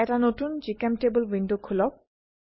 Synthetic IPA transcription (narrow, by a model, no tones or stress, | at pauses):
ɛtanotund͡ʒikɛmtebəlwindokʰulɔb̚